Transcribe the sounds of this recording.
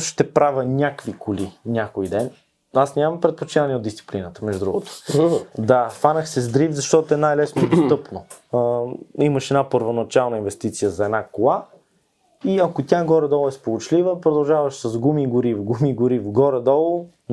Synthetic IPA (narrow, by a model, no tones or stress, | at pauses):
ʃt̪ɛpɾavənʲakvikʊlinʲakojd̪ɛn | asnʲamɐmpɾɛt̪̚pot͡ʃinanʲiɛod̪d̪ist̪si̥plinət̪ə̥mɛʒd̪ud̪ɾṵɡt̪o̥d̪afanəxsɛzd̪ɾivzɐʃt̪ɔt̪oɛnajlɛsnoɛd̪ost̪ɤpno | iməʃɛd̪napəɾvonɐt͡ʃalˠnəinvɛst̪it̪sijəzɐɛd̪nakolˠa | iɐkot̪ʲjaɡɔɾɛd̪ɔlˠɛspolˠʊt͡ʃlivəpɾod̪ɐlˠʒavɐʃsɐzɡumiɡʊɾivɡumiɡʊɾivɡɔɾɛd̪ɔlˠo